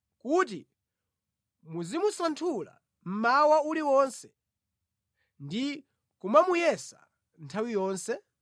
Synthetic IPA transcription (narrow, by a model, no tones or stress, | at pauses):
kut̬i | muzimusantʰula̰ | m̩mawauliwɔnsɛ̥ | ndi | kumamujɛsa̰ | ntʰawijɔːnsɛ